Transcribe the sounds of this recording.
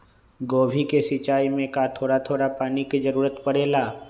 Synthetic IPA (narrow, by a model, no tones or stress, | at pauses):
ɡoːbʱikesɪt͡ʃaːimẽkat̪ʰoːɽat̪ʰoːɽapaːnikid͡ʒəɾuːɾət̪pəɽeːlaː